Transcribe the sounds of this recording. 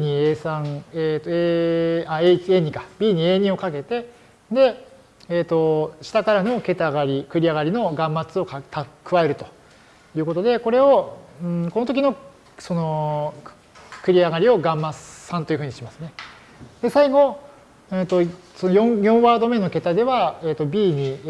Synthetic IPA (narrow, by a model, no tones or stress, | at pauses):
ɲ̟ieːsãŋet̪oeaeit͡ɕieːɲ̟ĩkabʲiːɲ̟ie̞ːɲĩo̞kak̬e̞t̪e̞ | d̪e̞ | eːt̪o̞ɕi̥t̪akaɾano̞ke̞t̪aɡaɾʲikɯ̟ɾʲiaɡaɾʲino̞ɡãmːat͡sɨo̞kat̪ʰakɯ̟βae̞ɾɯ̟t̪o | jɯ̟ːko̞t̪o̞d̪e̞ko̞ɾe̞o̞ɯ̃ko̞no̞t̪o̞k̬ʲino̞ | so̞no̞ | kɯ̟ɾʲiaɡaɾʲio̞ɡãmːassãnt̪o̞iɯ̟ɯ̟ɲ̟iɕimasɨne̞ | d̪̥e̞saiɡo̞ | et̪o̞sonojõjõ̞βaːd̪o̞me̞no̞ke̞t̪ad̪e̞βaeːt̪ːo̞bʲiːɲ̟i